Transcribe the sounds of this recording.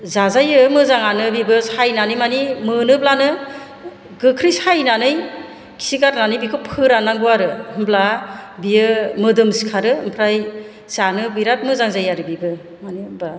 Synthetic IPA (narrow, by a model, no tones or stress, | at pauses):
zazajɯmɯzaŋanɯbibɯsajnanɯjmanimɯnɯblanɯ | ɡɯkʰɾijsajnanɯj | kʰi̥sikaɾnanɯjbikʰopʰɯɾanaŋɡuwaɾɯhɯmblabijɯmɯdɯmsi̥kʰaɾɯɯmpʰɾaj | sanɯbɯjɾat̚mɯzaŋzajaɾɯbibɯ | maniba